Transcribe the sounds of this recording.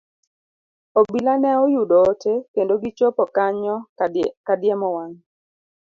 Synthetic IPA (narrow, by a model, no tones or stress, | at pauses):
obilanɛojudɔːtʰekendoɡit͡ʃopɔkaɲɔkadjɛmɔwaŋ